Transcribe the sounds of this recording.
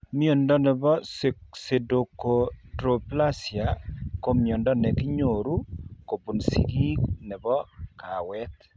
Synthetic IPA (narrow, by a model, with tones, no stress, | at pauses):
mi˦o˨ndɔ˦nɛ˨bɔ˦sse˨do˨ko˨tɾo˨pla˦sja˨ko˦mjo˨ndɔ˦nɛ˨kɪ˦ɲo˨ɾu˦ko˨bu˨nsḭ˨ɡi˦knɛ˨bɔ˦ka˨wɛ˦t̪